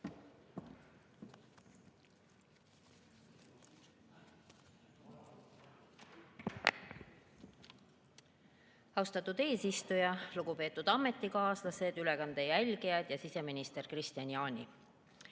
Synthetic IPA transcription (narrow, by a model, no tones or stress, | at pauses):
ɑwst̪ɑt̪ːˑud̪̥e̞ːsist̪ujɑluɡ̥upe̞ːt̪ːˑud̪̥ɑme̞t̪ːˑikɑːslɑse̞d̪̥yle̞kɑnd̪̥e̞jælʲɡejɑd̪̥jɑsise̞minist̪e̞rkrist̪jɑnjɑːnʲi